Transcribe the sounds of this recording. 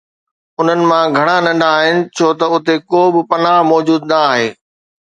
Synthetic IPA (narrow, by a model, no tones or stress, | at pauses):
ʊn̤ənɪ̆mãɡʱɐɽ̃anɐ̃ɳɖaːɦɪnɪ̆t͡ɕʰoːt̪ɐʊt̪ekoːbɪpɐnaːɦmɔːd͡ʑuːd̪naaːɦeː